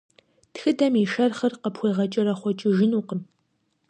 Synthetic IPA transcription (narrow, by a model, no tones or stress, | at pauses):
txɨdɐmiʃɐrχɐrqəpxʷejʁɐt͡ʃʼɪɾɐχʷɔt͡ʃʼɪʒɪnuːqəm